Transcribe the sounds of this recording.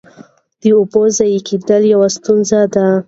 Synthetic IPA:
d̪̥əobozajikid̪əljawast̪unzad̪a

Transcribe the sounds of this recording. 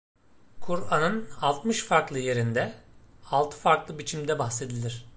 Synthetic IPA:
kʰuɾanɯnalˠt̪mɯʃfaɾklˠɯje̞ɾind̪ɛalˠt̪ʰɯ̥faɾklˠɯbit͡ʃʰimd̪ɛbaxse̞d̪ilʲiɾ̝̥

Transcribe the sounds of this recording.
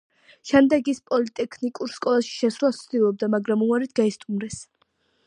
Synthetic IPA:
ʃɛmd̪ɛɡispʼɔlit̪ʼɛkʰnikʼuɾskʼɔlˠaʃi̥ʃɛsɾlˠast̪sʰd̪ilˠɔb̚d̪amaɡɾamuaɾit̪̚ʰɡaist̪ʼumɾɛs

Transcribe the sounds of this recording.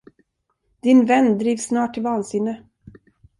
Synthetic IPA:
d̪̥ɪnvɛnːd̪ɾiːvsːnɑːʈʰːɪlvɑːnsɪnːə

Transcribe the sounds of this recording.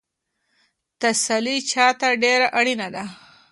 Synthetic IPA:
t̪asalit͡ʃɑt̪aɖeɾaʔaɽinad̪a

